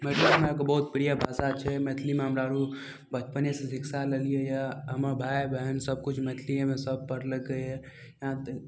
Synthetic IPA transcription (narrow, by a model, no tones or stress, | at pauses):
melmekobəɦut̪̚pɾijabʱasat͡ʃʰɛmet̪ʰlimeɦəmɾaɾu | bət͡ʃpənesẽsiksalelijejaɦəməɾbʱajbəɦənsəb̚kut͡ʃʰmet̪ʰliemesəb̚pəɾləkːəɛ | jɦãt̪